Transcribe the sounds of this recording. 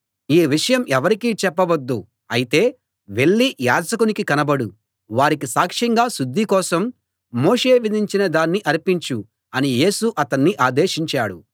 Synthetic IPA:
iːʋiʂɐjɐmɛʋɐɾikiːt͡ʃɛpːɐʋɐd̪ːu | ɐjit̪e̞ː | ʋe̞ɭːija̰ːd͡ʒɐkunikikɐnɐbɐɽu | ʋaːɾikisaːkʂɐŋɡaːsud̪ʱːikɔːsɐmː | oːʂe̞ːʋid̪ʱiɲt͡ʃinɐd̪aːnːiʔɐɾipiɲt͡ʃu | ɐnije̞ːsuʔɐt̪ɐnːiʔaːd̪e̞ːʃiɲt͡ʃaːɽṵ

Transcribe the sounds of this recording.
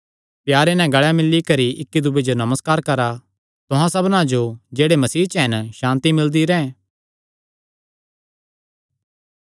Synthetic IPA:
pjaːɾenɛ̃ɡɐɭjamɪlːikɐɾiɪkːid̪ʊbed͡ʒonɐməskaːɾkɐɾa | t̪ʊɦãsɐbnãd͡ʒod͡ʒeːɽemɐsiːt͡ʃɦɛnʃãːnt̪imɪld̪iɾɛ̃ɛ̃

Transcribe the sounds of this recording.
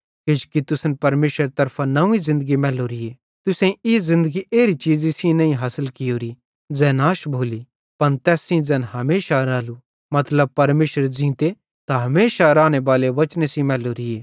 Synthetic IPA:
ket͡ʃkit̪ʊsnpɐɾmeːʃəɾt̪ɐɾpʰanɐũĩzɪ̃nd̪əɡimɛːloɾieː | t̪ʊsẽɪzɪ̃nd̪əɡiʔeːɾit͡ʃiːzisĩnɐĩɦaːsəlkɪjoːɾi | d͡zɛːnaːʃbʱoːli | pɐnt̪ɛːsĩd͡zɛːnɦɐmeːʃaɾaːlu | mɐt̪ləb̚pɐɾmeːʃəɾd͡ʒĩːt̪e | t̪aɦɐmeːʃaɾaːñebaːleʋɐt͡ʃnesĩmɛːloɾɪeː

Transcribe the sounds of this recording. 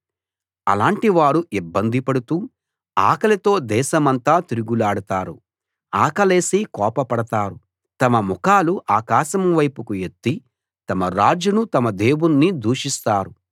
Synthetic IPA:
ɐ̰laːɳʈiʋaːɽuibːɐnd̪ʱipɐɽut̪uː | aːkɐlɐt̪o̞ːd̪ɛːʃɐmɐnt̪aːt̪iɾuɡulaːɽɐt̪aːɾu | aːkɐle̞ːsiːkɔːpɐpɐɽɐt̪aːɾu | t̪ɐmɐmukaːluʔaːkaːʃɐmʋɐjpukuet̪ːi | t̪ɐmɐɾaːd͡ʒunut̪ɐmɐd̪eːwunːid̪ʱuːʂist̪aːɾu

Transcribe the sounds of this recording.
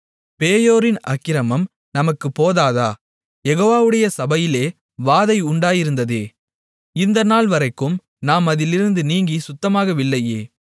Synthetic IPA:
peːjoːɾɪnɐ̰kːɪɾɐmɐm | nɐmɐkːɯpːoːðaːðaː | jɛɣoːʋaːʋɯɽɐjɐsɐbɐjɪleː | ʋaːðɐɪʊɳɖaːjɪɾɯnd̪ɐðeː | ɪnd̪ɐnaːlʋɐɾɐɪkːɯm | naːmɐðɪlɪɾɯnd̪ɯniːŋɡisʊt̪ːɐmaːɣɐʋɪlːɐjeː

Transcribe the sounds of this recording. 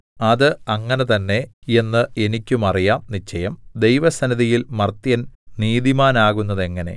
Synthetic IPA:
ɐðɨɐŋːɐne̞t̪ɐnːe̞e̞nːɨe̞nikʲːumɐrijaːmnit͡ɕːɐjɐmd̪e̞jʋɐsɐnɐðijilmɐrt̪jɐn | niːðimaːnaːɣun̪ːɐðe̞ŋːɐne̞̰

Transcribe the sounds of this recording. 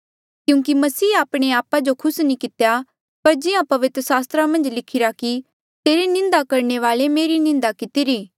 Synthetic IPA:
kjũːkimɐsiːaːpɽ̃eaːpad͡ʒokʰʊsnĩkɪt̪eja | pɐɾd͡ʒɪjãpɐʋɪt̪ɾəsaːst̪ɾamɐ̃nd͡ʒlɪkʰɪɾaki | t̪eːɾenɪ̃nd̪akɐɾɳeʋaːlemeːɾinɪ̃nd̪akɪt̪iɾiː

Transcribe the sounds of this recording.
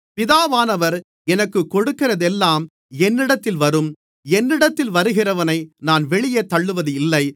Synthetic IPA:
pɪðaːʋaːnɐʋɐɾ | ɛnɐkːɯkːɔɽɯkːɪrɐðɛlːaːm | ɛnːɪɽɐt̪ːɪlʋɐɾɯm | ɛnːɪɽɐt̪ːɪlʋɐɾɯɣɪrɐʋɐnɐɪnaːnʋɛɭɪjet̪ːɐɭːɯʋɐðɯɪlːɐɪ

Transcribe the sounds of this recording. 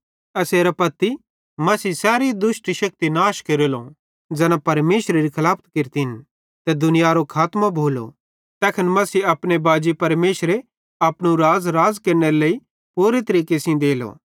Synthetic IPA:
ɐseːɾɐpɐt̪ːi | mɐsiːsɛːɾid̪ʊʃʈʃɐk̚t̪inaːʃkeɾelõ | d͡ʒɛːnãpɐɾmeːʃɾɾikʰɐlaːpʰt̪kɪɾt̪iɦɪn | t̪ɛd̪ʊnɪjaɾokʰaːt̪mãbʱoːlo̰ | t̪ɛːkʰənmɐsiɐpɽ̃ebaːd͡ʒipɐɾmeːʃɾe | ɐpɽ̃ũɾaːzɾaːzkɐɾneɾeleːi | puːɾet̪ɐɾiːkesĩd̪eːlo̰

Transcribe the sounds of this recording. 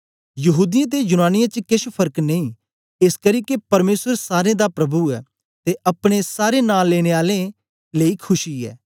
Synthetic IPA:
jɐɦuːd̪ɪjãːt̪̬ejʊnaːnɪjãːt͡ʃkɪʃpʰɐɾkneĩː | ɪskəɾiːkepɐɾmeːsəɾsaːɾẽd̪apɾɐbuɛː | t̪eʔɐpɽ̃esaːɾeːnaːlːeːɽ̃eːaːlẽ | leikʰʊʃiɛ̰ː

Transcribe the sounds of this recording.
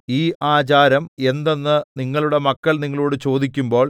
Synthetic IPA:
iːʔaːt͡ɕaːɾɐme̞nd̪o̞nːɨniŋːɐɭuɽe̞mɐkːɐɭniŋːɐɭoːɽɨt͡ɕo̞ːd̪ik̬ʲːumbo̞ːɭ

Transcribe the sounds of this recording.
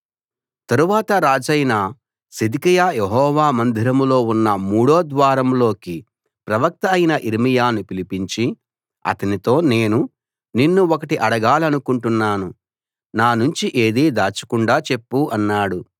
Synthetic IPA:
t̪ɐɾuʋaːt̪ɐɾaːd͡ʒɐjnɐa | sid̪ikijaːjeɦɔːʋaːmɐnd̪ʱiɾɐmlo̞ːunːɐmuːɽoːd̪ʋaːɾɐmlo̞ːki | pɾɐʋɐk̚t̪ɐːjnɐʔiɾimijaːnupilipiɲt͡ʃi | ɐ̰t̪ɐnit̪o̞ːne̞ːnu | ninːuɔkɐʈiʔɐɽɐɡaːlɐnukuɳʈunːaːnu | naːnuɲt͡ʃiʔe̞ːd̪iːd̪aːt͡ʃɐ̥kuɳɖaːt͡ʃe̞pːuʔɐnːaːɽu

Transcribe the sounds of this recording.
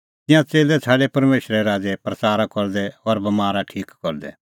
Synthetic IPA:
t̪ɪjãt͡seːlɛt͡sʰaːɖepɐɾmeːʃɾɛɾaːd͡zepɾɐt͡saːɾakɔɾd̪ɛɔːɾbɐmaːɾaʈʰiːkːɔɾd̪ɛ̰

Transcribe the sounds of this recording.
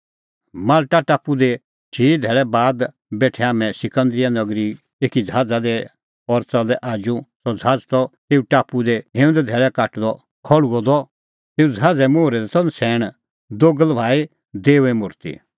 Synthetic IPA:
maːlʈaʈaːpud̪ɛ | t͡ʃʰiːd̪ʱɛːɭɛbaːd̪ | bɛːʈʰɛaːmɛ̃sɪkə̃nd̪ɾɪjanɐɡɾi | eːkid͡zʱaːd͡zad̪ɛ | ɔɾt͡sɔlɛʔaːd͡ʒũsɔd͡zʱaːd͡zt̪ɔt̪eːuʈaːpud̪ɛɦẽːʊ̃nd̪ɛd̪ʱɛːɭɛkaʈd̪ɔ | kʰɔɭuɔd̪ɔ | t̪eːud͡zʱaːd͡zɛmoːɾɛd̪ɛt̪ɔnsʰɛːɽ̃ | d̪oɡəlbʱaːi | d̪eːʋɛ̃mʊɾt̪ḭ

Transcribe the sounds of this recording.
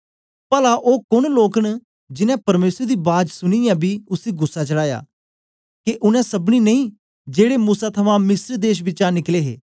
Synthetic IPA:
pəlaʔoːkʊɳloːkn | d͡ʒɪnɛ̃pɐɾmeːsəɾd̪iːbaːd̪sʊnijãːbʱiːʊsiːɡʊsːat͡ʃəɽaːja̰ː | keʔʊnɛ̃sɐbniːnɐĩː | d͡ʒeːɽeːmuːsat̪ʰɐmãmɪsɾd̪eːʃ̬bɪt͡ʃãːnɪkleːɦḛː

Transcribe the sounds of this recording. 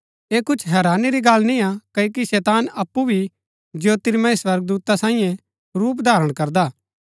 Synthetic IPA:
eːkʊt͡ʃʰɦɛːɾaːniɾiɡalnĩakɐokisɛːt̪aːnɐpːubʱi | d͡ʒjoːt̪ɪɾmãiswɐɾɡ̚d̪uːt̪asãːĩːjɛ̃ | ɾuːp̬d̪ʱaːɾəɽ̃kɐɾd̪aː

